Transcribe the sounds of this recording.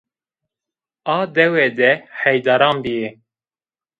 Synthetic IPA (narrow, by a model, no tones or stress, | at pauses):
ɑːd̪ɛwɛːd̪ɛħɛjd̪ɑːɾɑːmbije